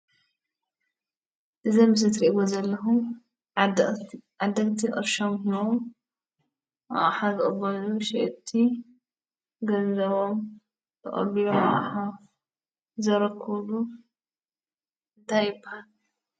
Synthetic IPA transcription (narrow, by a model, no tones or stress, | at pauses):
ʔɨzɐmɨzɨt̪ɾiʔiβozɐlːɐɦum | ad̪ːɐkʼt̪ʰiʔʼɨ̰ɾʃomɦiβo̞m | ʔa̰ʔʼħazɨʔʼbɐnuʃɛʔt̪ʰːi | ɡɐnɐβom | bʰɨχʼɐ̰βilomɐ̰ʔħa | zɐɾɐkʰːulu | ɨnt̪ʰajɪpːat